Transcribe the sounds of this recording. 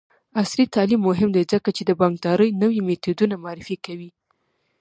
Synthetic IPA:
aslit̪ɑlimːʊɦɪmd̪ajzəkat͡ʃed̪əbɑŋɡ̚d̪ɑɾəjnəwimet̪ud̪unamaɑɾɪfikawi

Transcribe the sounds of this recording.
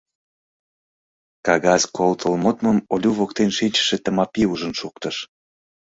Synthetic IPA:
kɑɣɑzkolt̪ʰəlmot̪məmolʲuβokt̪enʃinʲt͡ɕə̥ʃet̪əmɑpiuʒənʃukt̪əʃ

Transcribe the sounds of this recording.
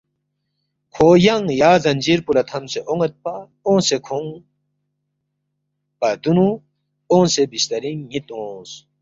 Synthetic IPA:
kʰoːjɐŋjaːzɐnʲd͡ʑiɾpulɐt̪ʰɐmseʔoŋɐt̪̚pa | õːsekʰõŋ | pɐd̪unu | õːsebist̪ɐɾiŋːit̪õːs

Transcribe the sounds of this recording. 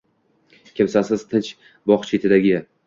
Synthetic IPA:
kʲʰɪmsasɪzt̪ʰɪnt͡ʃ | bɒχt͡ʃʰet̪ʰɪd̪aɡʲɪ

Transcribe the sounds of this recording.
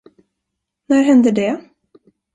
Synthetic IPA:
næɾɦɛnd̪əɖɛ

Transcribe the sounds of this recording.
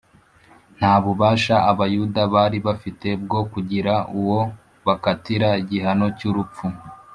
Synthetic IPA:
n̥haːβuβaːʃaʔaβajudaβaːɾiβafite̞bɡo̞kuɟiɾauwo̞ | βakatiɾaiɟiɦano̞cuɾup͡fu

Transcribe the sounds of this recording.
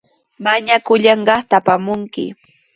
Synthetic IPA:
maɲakʊʎɑɴɢɑχt̪apamʊŋkɪ̰

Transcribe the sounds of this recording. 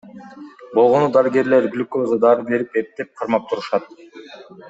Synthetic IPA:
bo̞lˠʁo̞nud̪ɑɾɯɡʲe̞ɾle̞ɾɡylʲkozəd̪ɑɾɯbe̞ɾipe̞p̚t̪e̞p̚qʰɑɾmɑp̚t̪ʰuɾuʃɑt̪̚

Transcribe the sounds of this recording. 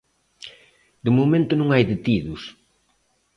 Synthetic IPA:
d̪ʊmomẽnt̪ʊnũŋajðet̪iðʊs

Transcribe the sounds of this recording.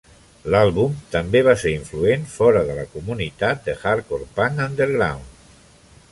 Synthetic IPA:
lalˠβumt̪ambeβaseɾiɱfluenfɔɾəðəlakumunit̪at̪̚d̪əxaɾkoɾpaŋand̪əɾɣɾa̰wn

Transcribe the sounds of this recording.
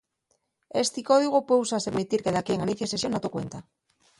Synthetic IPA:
est̪ikoðiɣ̞opowsaseβmit̪iɾkeðakieŋaniθjasesjonat̪okwḛnt̪a

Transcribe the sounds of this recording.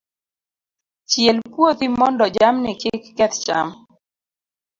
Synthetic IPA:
t͡ʃjɛlpwot̪imɔndɔd͡ʒamnɪkɪkːɛt̪t͡ʃa̰m

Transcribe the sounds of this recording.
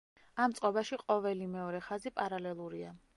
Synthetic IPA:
amt̪sʼqʼɔbaʃiqʼɔvɛlimɛɔɾɛχazipʼaɾalɛlˠuɾia̰

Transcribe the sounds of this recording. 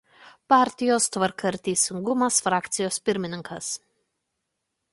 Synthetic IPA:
pɑˑɾʲt̪ʲɪjoːst̪ʋɐɾkɐɾʲt̪ʲɛɪsʲɪŋɡʊmɐsfɾɑːkt̪sʲɪjoːspʲɪɾʲmʲɪnʲɪŋkɐs

